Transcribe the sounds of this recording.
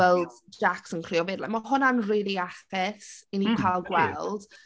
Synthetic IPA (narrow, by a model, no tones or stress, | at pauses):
ɛlˠdd͡ʒaksənkʰr̥iːɔvɪdlˠɛ̰mɔɦʊnanriːlˠiaθɪθinikʰalˠɡwɛlˠd̥